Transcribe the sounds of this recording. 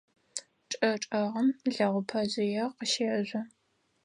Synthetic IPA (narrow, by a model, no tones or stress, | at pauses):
ʈ͡ʂʼɐʈ͡ʂʼɐʁɐmɮɐʁʷʊpʰɐzɪjɛqəʃeːʑʷɐ